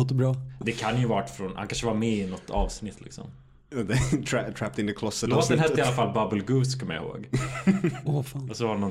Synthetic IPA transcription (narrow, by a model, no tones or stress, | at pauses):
t̪əbɾɑːd̪ɛkʰanjɵvɑːʈfɾɔnha̰kanʂəvɑːɾmɛɪnɔt̪ʰːɑ̰ːvsnɪt̪ʰːlɪ̰ksɔ̰m | ðetʰɹtʰɹ̥ap̚t̪ɪ̃nt̪ʉkʰl̥ɔsəlst̪ɛnhɛsɪalːafalbabəlɡʉːskʰɔmja̰ho̰ːɡ | ofːɔsɔvaɾnːɔ